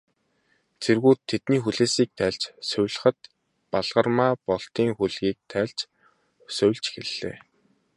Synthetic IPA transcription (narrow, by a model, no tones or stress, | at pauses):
t͡sʰerɣuːt̪ʰːet̪niːxuɮeːsiːk̚t̪ʰæːɮt͡ɕsœwʲɮə̆χə̆t̪̚ | paɮʁ̥ə̆rmaːpɔɬt̪iːŋxuɮɣiːk̚t̪ʰæːɮt͡ɕ | sœwʲɮt͡ɕxeɮ̥ːḛː